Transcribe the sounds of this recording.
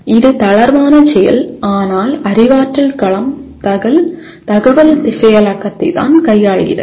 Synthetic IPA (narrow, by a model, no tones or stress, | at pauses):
ɪðɯt̪ɐɭɐɾʋaːnɐt͡ʃɛjɐ̰laːnaːlɐɾɪʋaːʈrɐlkɐɭɐmt̪ɐɣɐl | t̪ɐɣɐʋɐlt̪ɪsɐjɐlɐkːɐt̪ːɐɪt̪a̰ːnkɐjːaːɻɣɪ̰rɐ̰